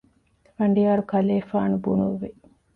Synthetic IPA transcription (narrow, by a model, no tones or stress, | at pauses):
fɐɳɖijaːɾukɐleːfaːnubunuʋːi